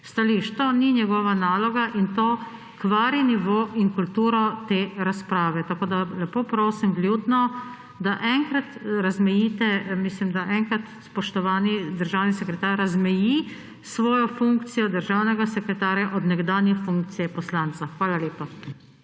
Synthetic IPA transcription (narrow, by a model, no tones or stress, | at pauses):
st̪aliʃt̪ɔninjɛɡɔːʋanaːlɔɡaʔint̪oː | kʋaːɾiniʋoːʔiŋkult̪uːɾɔt̪eːɾaspɾaːʋɛt̪akoːd̪alɛpoːpɾoːsimɡljuːd̪nɔ | d̪aʔɛŋkɾat̪ɾazmɛjiːt̪ɛmislimd̪aʔɛŋkɾat̪spɔʃt̪ɔʋaːnid̪əɾʒawnisɛkɾɛt̪aːɾazmɛji | sʋɔːjɔfuŋkt̪sijɔd̪əɾʒawnɛɡasɛkɾɛt̪aːɾjaʔɔd̪nɛɡd̪aːnjɛxfuŋk̚t̪sijɛpɔslant̪t͡s̪axʋaːlaleːpa